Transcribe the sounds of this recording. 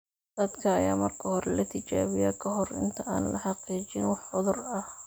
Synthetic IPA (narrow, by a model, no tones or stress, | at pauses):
d̪̥ɐd̪kʰɐːjaːmɐrkʰɐhɔɾɛlɐt̪ʰɪt͡ʃaːβɪjakʰɐɦɔrɪ̰nt̪ʰɐʔaːnlɐħɑqiːt͡ʃɪnwɑħʊðʊrɐh